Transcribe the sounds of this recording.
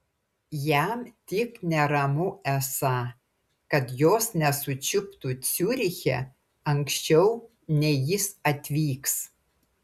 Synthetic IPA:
jæmt̪ʲɪknʲɛɾɐmʊɛsɑ | kɐt̪joːsnʲɛsʊt͡ʃʲɪpt̪uːsʲuːɾʲɪxʲɛ̰ | ɐŋksʲt͡ʃʲɛʊ | nʲɛjɪsɐt̪ʲʋʲiːks

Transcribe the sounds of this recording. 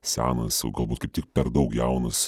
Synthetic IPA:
sʲæ̰ːnɐsjɐʊɡɐlˠbuːt̪kɐɪpt̪ʲɪk̚pʲɛɾd̪ɐʊkjɛʊnɐs

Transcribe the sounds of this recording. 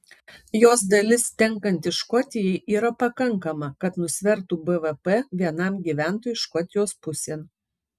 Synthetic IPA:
joːs̬d̪ɐlʲɪst̪ʲɛŋkɐnʲt̪ʲɪʃkɔt̪ʲɪjɛɪʔiːɾɐpɐkɐŋˑkɐmɐkɐt̪nʊsʲʋʲɛɾˑt̪uːbɛʋɛpɛʋʲiɛnɐmɡʲiːʋʲæːˑnt̪oːjʊʃkɔt̪ʲɪjoːspʊsʲeːn

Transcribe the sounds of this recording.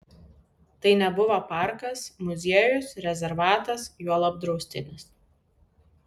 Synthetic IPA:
t̪ɐɪnʲɛbʊʋɐpɑˑɾkɐsmʊzʲiɛjʊsɾʲɛzʲɛɾʋɑːt̪ɐsjuɔlˠɐb̚d̪ɾɔʊsʲt̪ʲɪnʲɪs

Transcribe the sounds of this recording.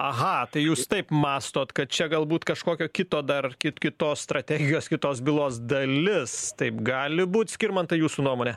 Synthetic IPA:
ɐɦɐt̪ɐɪjuːst̪ɐɪpmɑːst̪oːt̪kɐt̪̚t͡ʃʲɛɡɐlˠbuːt̪kɐʃkoːkʲoːkʲɪt̪oːd̪ɐrkʲɪtkʲɪt̪oːsst̪ɾɐt̪ʲæːɡʲɪjoːskʲɪt̪oːsbʲɪlˠoːsd̪ɐlʲɪst̪ɐɪpɡɑːlʲɪbuːt̪sʲkʲɪɾmɐnt̪ɐjuːsunuɔmoːnʲɛ

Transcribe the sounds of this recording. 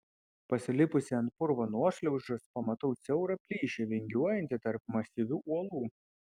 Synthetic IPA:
pɐsʲɪlʲɪpʊsʲɪɐnt̪̚pʊɾʋoːnuɔʃʲlʲɛʊʒʊspɐmɐt̪ɐʊt̪sʲɛʊɾɐpʲlʲiːʃʲeʋʲɛŋʲɡʲuɔjɛnʲt̪ʲɪt̪ɐɾp̚mɐsʲɪʋʲuːʔuɔlˠuː

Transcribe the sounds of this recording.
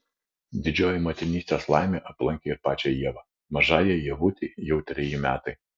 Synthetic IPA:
d̪ʲɪd͡ʒʲoːjɛmɐt̪ʲɪnʲiːsʲt̪ʲeːslˠɑˑɪmʲeːʔɐplˠɐŋʲkʲeːɪɾpɑːt͡ʃʲɛjiɛʋɐ | mɐʒɑːjɛjiɛʋut̪ʲiːjɛʊt̪ʲɾʲɪjimʲæ̰ːt̪ɐɪ

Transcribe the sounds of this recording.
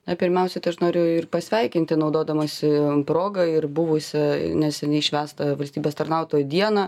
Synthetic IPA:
nɐpʲɪɾʲmʲɛʊsʲɛt̪ɐɪɐʃnoːɾʲjɛɪrpɐsʲʋʲɛɪkʲɪnʲt̪ʲɪnɒʊd̪oːd̪ɐmɐsʲɪpɾoːɡɐɪrbuʋʊsʲɛnʲɛsʲɛnʲɛɪʃʲʋʲæːst̪ɐʋɐlʲsʲt̪ʲiːbʲeːst̪ɐɾnɑʊt̪oːjd̪ʲiɛnɐ

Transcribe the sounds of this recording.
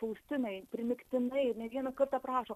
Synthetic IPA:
pɐʊsʲt̪ʲɪnɐɪpʲɾʲɪmʲɪkt̪ʲɪnɐɪnʲɛʋʲiɛnɐkɐɾt̪ɑːpɾɑːʃoː

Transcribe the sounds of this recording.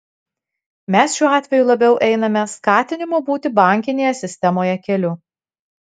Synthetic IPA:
mʲɛsʃʲuːɑːt̪ʲʋʲɛjuːlˠɐbʲɛʊʔɛɪnɐmʲɛskɑːt̪ʲɪnʲɪmobuːt̪ʲɪbɑˑŋʲkʲɪnʲeːjɛsʲɪsʲt̪ʲɛmoːjɛkʲɛlʲʊ

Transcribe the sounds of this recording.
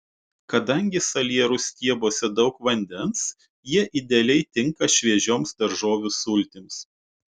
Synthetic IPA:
kɐd̪ɐŋʲɡʲɪsɐlʲiɛɾʊsʲt̪ʲiɛboːsʲɛd̪ɒʊkʋɐnʲd̪ʲɛns | jiɛʔɪd̪ʲɛlʲɛɪt̪ʲɪŋkɐʃʲʋʲiɛʒʲoːmsd̪ɐɾʒoːʋʲʊsʊlʲt̪ʲɪms

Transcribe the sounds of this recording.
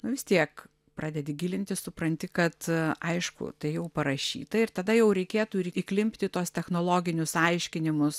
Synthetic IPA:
nʊʋʲɪst̪ʲiɛk | pɾɑːd̪ʲɛd̪ʲɪɡʲiːlʲɪnʲt̪ʲɪssʊpɾɐnʲt̪ʲɪkɐt̪ɐɪʃkʊ̰t̪ɐɪjɛʊpɐɾɐʃʲḭːt̪ɐɪɾt̪ɐd̪ɐjɛʊɾʲɛɪkʲeːt̪uːɪɾiklʲɪmʲpʲt̪ʲɪt̪uɔst̪ʲɛxnoːlˠoːɡʲɪnʲʊsɐɪʃʲkʲɪnʲɪmʊs

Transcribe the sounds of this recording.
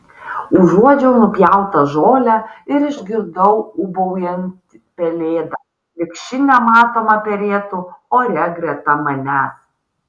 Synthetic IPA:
ʊʒuɔd͡ʒʲɛʊnʊpʲjæʊt̪ɐʒoːlʲæɪɾɪʒʲɡʲɪɾd̪ɐʊʊbɐʊjɛnʲt̪ʲ | pʲɛlʲeːd̪ɐ | lʲɪkʃʲɪnʲɛmɑːt̪oːmɐpʲɛlʲeːt̪ʊoːɾʲɛɡɾʲɛt̪ɐmɐnʲæs

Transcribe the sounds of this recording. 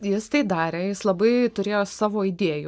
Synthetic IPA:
jɪst̪ɐɪd̪ɑːɾʲeːjɪslˠɐbɐɪt̪ʊɾʲeːjoːsɑːʋoːid̪ʲeɛju

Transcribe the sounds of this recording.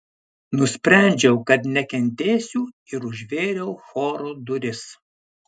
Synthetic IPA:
nʊsʲpʲɾʲæˑnʲd͡ʒʲɛʊkɐt̪nʲɛkʲɛnʲt̪ʲeːsʲuː | ɪɾʊʒʲʋʲeːɾʲɛʊxoːɾoːd̪ʊɾʲɪs

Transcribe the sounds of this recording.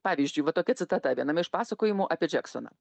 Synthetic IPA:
pɑːʋʲiːzʲd͡ʒʲʊɪʋɐt̪oːkʲɛtsʲɪt̪ɐt̪ɐʋʲiɛnɐmɐɪʃpɑːsɐkoːjɪmuːʔɐːpʲiɛd͡ʒʲɛkso̰na̰ː

